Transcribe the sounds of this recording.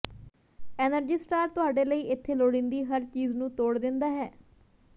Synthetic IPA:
ɛːnəɾd͡ʒiːsʈaːɾt̪ʊaːɖeːləiːʔɪt̪ʰːeːloːɽɪ̃nd̪iːɦəɾt͡ʃiːznũːt̪oːɽd̪ɪnd̪aːɦɛː

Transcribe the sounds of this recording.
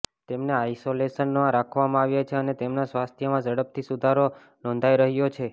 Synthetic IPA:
t̪emneaisolesənːãɾakʰʋamãaʋjat͡ʃʰeənet̪emnasʋast̪ʰjəmãd͡ʒəɽəp̚t̪ʰisud̪ʱaɾo | nɔ̃nd̪ʱajɾəɦjot͡ʃʰe

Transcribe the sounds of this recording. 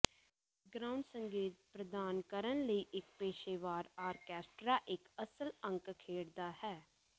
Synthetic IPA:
ɡɾaːʊɳɖsəŋɡeːt̪̚pɾəd̪aːnkəɾənləiːʔɪk̚peːʃeːʋaːɾaːɾkɛːsʈɾaːʔɪkəsələ̃ŋkkʰeːɽd̪aːhɛː

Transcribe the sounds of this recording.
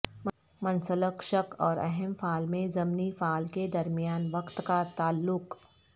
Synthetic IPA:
mɐnsələkʃəkɔːɾɛɦɛmfʰaːlmẽzɐmnifaːlked̪ɐɾmijaːnʋɐqt̪kat̪aːlːʊk

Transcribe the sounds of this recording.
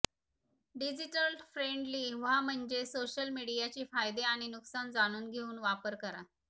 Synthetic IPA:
ɖid͡ʑiʈəlfɾeɳɖliːʋ̤am̤əɳd͡ʑesoɕəlmiɽijat͡ɕiːfajd̪eaɽ̃inuksand͡zaɽ̃uːnɡʱeuːnʋapəɾkəɾa

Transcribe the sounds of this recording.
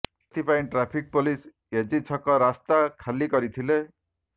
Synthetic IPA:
t̪ʰipaĩʈɾapʰik̚polis | ed͡ʒit͡ʃʰɔkɔɾast̪akʰalikɔɾit̪ʰile

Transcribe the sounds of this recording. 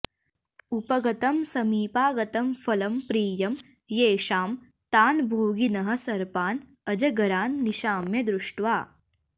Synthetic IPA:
upɐɡɐt̪ɐmsɐmiːpaːɡɐt̪ɐmfɐlɐmpɾiːjɐm | jeːʃaːm | t̪aːnbʱoːɡinɐɦɐ̆sɐɾpaːn | ɐd͡ʒɐɡɐɾaːnːiʃaːmjɐd̪ɾuʂʈʋaː

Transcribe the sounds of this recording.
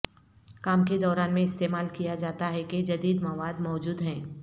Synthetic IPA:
kaːmked̪ɔːɾaːnmẽɪst̪eːmaːlkijad͡ʒaːt̪aɦɛked͡ʒɐd̪iːd̪mɐʋaːd̪mɔːd͡ʒuːd̪ɦɛ̃ː

